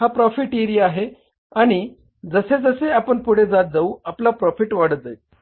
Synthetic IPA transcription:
ɦapɾɔfiʈiɾiaɦe | aɽ̃i | d͡zəsed͡zəseapəɳpuɽ̤ed͡zat̪̚d͡zauaplapɾɔfiʈʋaɽət̪̚d͡zajt̪

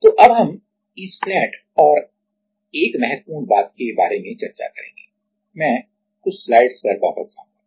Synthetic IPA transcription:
t̪oːʔɐbɦɐm | iːslɛ̃ːʈ | ɔːɾ | eːkmɛɦɛt̪̚puːnbaːt̪̚keba̰ːɾemẽt͡ʃɐɾt͡ʃa̰kɐɾḛ̃ːŋɡeː | mɛ̃ː | kʊt͡ʃʰslaːɪɖspɐɾba̰ːpət̪sã̰ːa

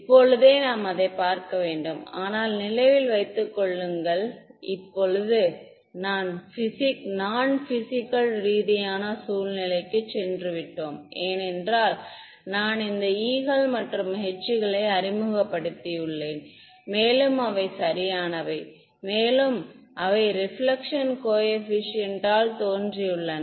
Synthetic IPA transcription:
ɪpːɔɻɯðeːnaːmɐðɐɪpːaːɾkɐʋeːɳɖɯma̰ːnaːlnɪlɐɪʋɪlʋɐɪt̪ːɯkːɔɭːɯŋɡɐɭ | ɪpːɔɭɯðɯ | naːnfɪsɪknaːnfɪsɪkːɐlɾiːðɪjaːnɐsuːlnɪlɐɪkːɯt͡ʃːɛndrɯʋɪʈːoːmʔeːnɛndraːl | naːnɪnd̪ɐiːɣɐɭmɐʈrɯmɦɛt͡ʃːɯɣɐɭɐɪɐɾɪmɯɣɐpːɐɽɯt̪ːijɯɭːeːn | meːlɯmɐʋɐɪsɐɾɪjaːnɐʋɐɪ | meːlɯm | ʔɐʋɐɪɾɪfɭɐkʂɐnkoːjɛfɪʂɪɛnʈaːlt̪oːndrijɯɭːɐn

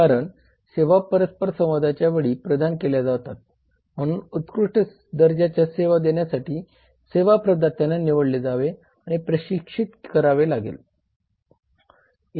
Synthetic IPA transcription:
aɾəɳ | seʋapəɾəspəɾsə̃m̃ʋəd̪ʱat͡ɕjaʋeɭiːpɾəd̪ʱankeljad͡zaʋt̪at̪̚ | m̤əɽ̃uːnut̪kɾuʂʈə | d̪əɾd͡ʑat͡ɕjaseʋad̪eɳjasaʈʰiː | seʋapɾəd̪ʱat̪ːjananiʋəɽled͡zaʋe | aɽ̃ipɾəɕikʂit̪kəɾaʋelaɡḛl

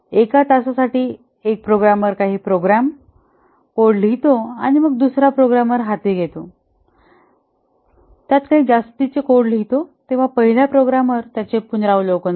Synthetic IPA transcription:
ekat̪asasaʈiː | ek̚pɾoɡɾamʋəɾkaɦiːpɾoɡɾam | koɽlit̪oaɽ̃iməɡ̚d̪usɾapɾoɡɾamʋəɾɦat̪iɡʱet̪o | t̪jat̪kaɦiːd͡zast̪it͡sekoɽlɦit̪ot̪eʋ̤apəɦiljapɾoɡɾamʋəɾt̪jat͡ɕepunɾaʋlokən

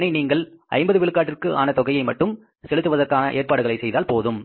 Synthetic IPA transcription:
nɐɪniːŋɡɐɭʔɐ̰ɪmbɐðɯʋɪɭɯkːaːʈːɪrkɯʔa̰ːnɐt̪ɔɣɐjɐɪmɐʈːɯm | sɛɭɯt̪ːɯʋɐðɐrkaːnɐʔeːrpaːɽɯɣɐɭɐɪsɛjðaːlpoːðɯm

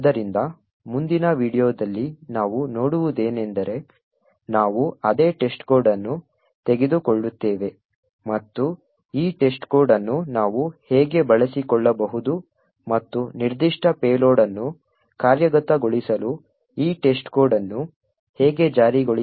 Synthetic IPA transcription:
ɐd̪ɐɾind̪ɐ | mund̪inɐʋiːɽijoːd̪ɐlːinaːʋuno̞ːɽuʋud̪e̞ːnend̪ɐɾe̞ | naːʋuɐd̪e̞ːʈe̞sʈkoːɾɖɐnːu | t̪e̞ɡed̪ukɔɭːut̪ːeːʋe̞ | mɐt̪ːu | iːʈe̞sʈko̞ːɾɖɐnːunaːʋuhɛːɡe̞bɐɭɐsikɔɭːɐbɐɦud̪u | mɐt̪ːuniɾd̪iʂʈɐpeːlo̞ːɽɐnːu | kaːɾjɐɡɐt̪ːɐɡoɭisɐlu | iːʈe̞sʈkoːɖɐnːu | hɛːɡe̞d͡ʒaːɾiɡoɭi

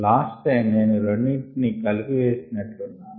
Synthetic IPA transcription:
laːsʈeːneːnuɾoɳːiʈnikɐliɡiʋeːsinɐʈlunːaː

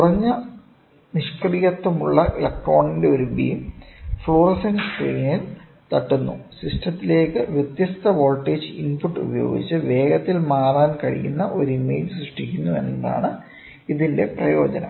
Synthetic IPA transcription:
kkurɐɲːɐ | niʂkɐɽijɐt̪ːɐmuɭːɐʔlɐkʈːro̞ːɳinde̞oɾubḭjmfɭo̞ːrɐsɐnskriːnil | t̪ɐʈːunːṵsiʂʈɐt̪ːile̞ːkːɨʋjet̪jɐst̪ɐʋo̞ːlʈːeːd͡ʑɨinpuʈːṵbɐjo̞̰ːɡḭt͡ɕːɨʋe̞ːɡɐt̪ːilmaːraːnkɐɻḭjunːɐʔo̞ɾuime̞̰ːlsrɨʂʈikʲːunːue̞nːɐða̰ːɳɨ | iðinde̞prɐjo̞ːd͡ʑɐnɐ̰

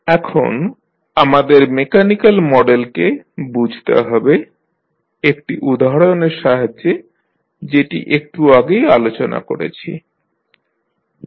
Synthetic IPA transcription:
ɛkʰo̰n | amad̪eɾmekanikalmɔɖelkebud͡ʑʱt̪ḛɦɔbe | ek̚ʈiʔud̪aɦɽojoneɾʃaɦaːe | d͡ʑeʈḭʔek̚ʈuaɡejalot͡ɕona̰ko̰ɾḛt͡ɕʰḭ

